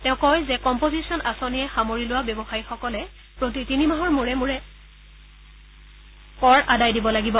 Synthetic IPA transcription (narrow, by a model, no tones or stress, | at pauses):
tɛ̃ʊ̃kɔjzɛkɔmpozisiɔnasonijɛxamoɹilʊwabjɔbɔxaɹixɔkɔlɛ | pɹot̬itinimaɦɔɹmuɹɛmuɹɛ | kɔɹʔadajdibɔlaɡibɔ